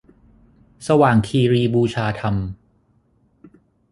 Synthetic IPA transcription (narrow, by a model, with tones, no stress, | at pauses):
sa˧waː˨˩ŋkʰiː˧ɾiː˧buː˧t͡ɕʰaː˧t̪ʰa˧m